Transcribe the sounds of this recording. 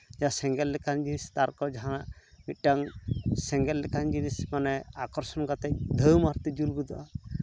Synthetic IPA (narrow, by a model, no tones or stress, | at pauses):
d͡ʒasɛŋɡɛlːɛkand͡ʒinist̪aɾkɔd͡ʒaɦanaʔmit̪̚ˀʈaŋsɛŋɡɛlːɛkand͡ʒinismanɛakɔɾsɔnkat̪ɛk̚d̪ʱəwmaɾt̪id͡ʒulɡud̪ɔʔa